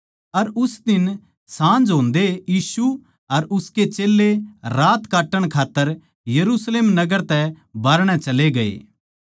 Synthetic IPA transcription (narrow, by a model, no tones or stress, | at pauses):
ɐɾʊsd̪ɪn | sãːnd͡ʒɦõːnd̪ejiːsu | ɐɾʊsket͡ʃeːlːeɾaːt̪kaːʈːəɽ̃kʰaːt̪ːəɾ | jɐɾusleːmnɐɡəɾt̪ɛ | baːɾɽ̃ɛ̃t͡ʃɐleɡɐḛː